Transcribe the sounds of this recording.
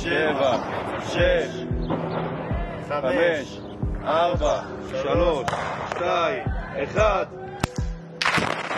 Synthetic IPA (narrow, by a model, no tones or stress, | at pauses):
evaʃeʃ | ameʃ | ʔaʁba | ʃaloʃʃt̪ajeχad̪